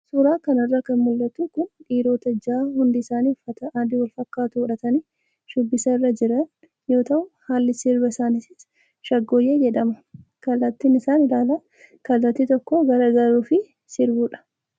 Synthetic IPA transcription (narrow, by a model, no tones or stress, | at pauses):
sʊɾaːkɐnɐrːakɐnmʊlːɐt̪ukʊnᶑiːɾo̞ːt̪ɐd͡ʒaːhʊnd̪ɪːsaːniːfɐt̪ɐʔad̪ɪwɐlfɐkːaːt̪ʊʊᶑɐt̪ɐniː | ʃʊbːɪsɐɪrːɐd͡ʒɪɾɐn | jo̞ːt̪ɐʔʊhaːlːɪsɪɾbɐɪsaːnɪsɪs | ʃɐɡːoːjeːd͡ʒɛᶑɐmɐkɐlːɐt̪ːiːnɪsaːnɪlaːla | kɐlːɐt̪ːit̪ɔkːoɡɐɾɐɡɐɾuːfɪ | sɪɾbuːᶑɐ̥